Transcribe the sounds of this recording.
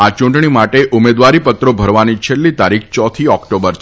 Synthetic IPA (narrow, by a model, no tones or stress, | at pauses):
at͡ʃũɳʈɳimaʈeʔumed̪ʋaɾipət̪ɾobʱəɾʋanit͡ʃʰelːit̪aɾik̚ʰt͡ʃɔt̪ʰiɔkʈobəɾt͡ʃʰ